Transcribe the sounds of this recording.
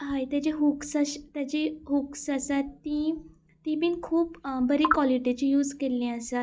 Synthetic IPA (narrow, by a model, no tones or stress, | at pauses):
ɦajt̪jat͡ɕiɦuksaɕt̪jat͡ɕiɦuksasat̪ːi | t̪ibiːnkʰuːpbəɾikʋɔliʈit͡ɕijuːd͡zkelĩəsat̪